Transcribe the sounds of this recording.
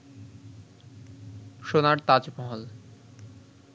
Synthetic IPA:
ʃonaɾt̪ad͡ʑmɔɦol

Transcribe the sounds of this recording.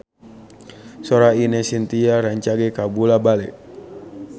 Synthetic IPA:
sɔɾainɛsint̪iaɾaɲt͡ʃaɡɛkabulabalɛʔ

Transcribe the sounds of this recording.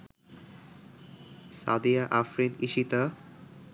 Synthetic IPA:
sa̰d̪ijaʔafɾiniʃit̪a

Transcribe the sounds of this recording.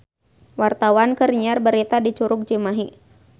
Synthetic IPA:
wart̪awankərɲiarbəɾit̪adit͡ʃuɾʊk̚d͡ʒimaɦi

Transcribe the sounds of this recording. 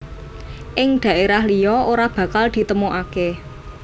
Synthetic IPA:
ʔɪŋɖ̪̥ä̤ʔeɾahlijɔoɾab̥ä̤kald̪̥i̤t̪əmoʔake

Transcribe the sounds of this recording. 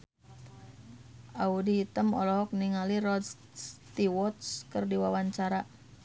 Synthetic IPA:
ʔaudiːt̪əmɔ̰lɔɦɔk̚niŋaliɾɔds | st̪iwɔt̪skərdiwawaɲt͡ʃaɾa

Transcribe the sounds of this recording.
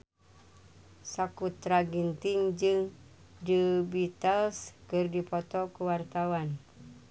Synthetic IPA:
sakut̪ɾaɡint̪iŋd͡ʒɨŋ | dəbit̪əlskɨrdipɔt̪ɔkuwart̪awan

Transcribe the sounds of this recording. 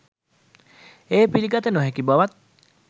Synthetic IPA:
eːpiliɡat̪ənoɦekibaʋat̪̚

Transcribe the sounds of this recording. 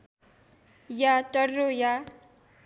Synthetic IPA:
jatʌrroja

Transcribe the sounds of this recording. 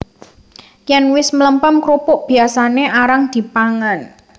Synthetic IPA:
kjɛnwɪsmələmpəmkɾupʊʔb̥i̤asaneʔaɾaŋd̪̥i̤paŋan

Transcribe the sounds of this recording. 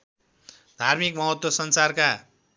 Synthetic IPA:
d̪ʱarmikmʌɦʌt̪wʌsʌnsarka

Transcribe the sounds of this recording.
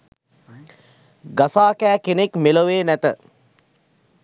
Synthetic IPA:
ɡasaːkæːkenekmeloʋeːnæt̪ə

